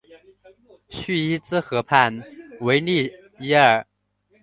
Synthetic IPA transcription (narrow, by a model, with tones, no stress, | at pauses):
ɕy˥˩i˥t͡sɹ̩˥xɤ˧˥pʰa˥˧nwe˧˥ɪli˥˩ | i˥ə˞˨˩